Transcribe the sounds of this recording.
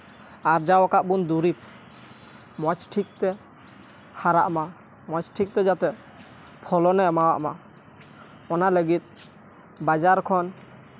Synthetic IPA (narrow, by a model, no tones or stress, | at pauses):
aɾd͡ʒawɔkaʔbund̪uɾip̚ | mɔt͡ʃʈʰik̚t̪ɛ | haɾa̰ʔma | mɔt͡ʃʈʰik̚t̪ɛd͡ʒat̪ɛ | pʰɔlɔnɛmawa̰ʔma | ɔnaləɡit̪̚ | bad͡ʒaɾkʰɔn